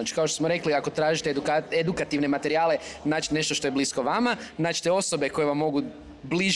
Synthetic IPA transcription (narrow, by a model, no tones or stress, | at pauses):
at͡ʃi̥kaoʃt̪osmoɾe̞kliako̞t̪ɾaːʒit̪ed̪ukaed̪ukat̪iʋne̞mat̪e̞ɾiaːle̞naːt͡ʃine̞ʃt̪oʃt̪o̞je̞bliskoʋamanaːt͡ʃt̪eo̞so̞be̞ko̞jeʋamːo̞ɡu | bliʒ